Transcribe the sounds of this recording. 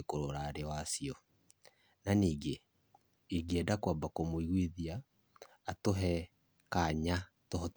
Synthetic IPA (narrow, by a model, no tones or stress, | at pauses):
ekoɾoɾaːɾewasiɔ | naniːɡe | eɡeɛdakwabakomoiɣwiðiaː | toɦɛ | kaɲa | toɦɔt